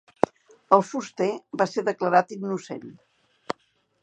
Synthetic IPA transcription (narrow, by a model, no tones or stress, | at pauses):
əlˠfust̪ebaseðəkləɾat̪iɡnusḛn